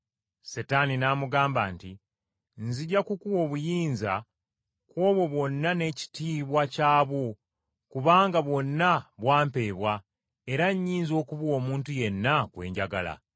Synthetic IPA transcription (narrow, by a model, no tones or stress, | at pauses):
setaninamuɡaːmbaːnti | nziɟakukuwo̞βujiːnza̰ | kwo̞ːβwo̞βwo̞nːane̞ci̥tiβwacaːβo | kuβaːŋɡaβwo̞nːaβwaːmpe̞ːβwa | e̞ɾaɲːiːnzo̞ːkuβwo̞ːmuːntuje̞nːakwe̞̰ːɲɟaɡa̰la̰